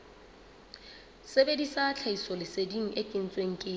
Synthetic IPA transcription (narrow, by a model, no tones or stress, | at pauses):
sebedisat͡ɬʰaisɔlɪsediŋ̩ekʼɪn̩t͡sʼweŋ̩kʼɪ